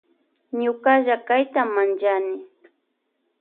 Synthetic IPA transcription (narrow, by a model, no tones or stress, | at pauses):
ɲʊkaʒakajt̪amːant͡ʃanɪ